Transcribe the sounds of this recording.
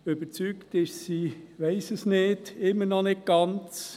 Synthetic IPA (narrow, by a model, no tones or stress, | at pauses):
øbət͡syːktɪʃsiːʋɛɪsəsneːd̥ɪmːənɔnɪd̚ɡ̥ɑnt͡s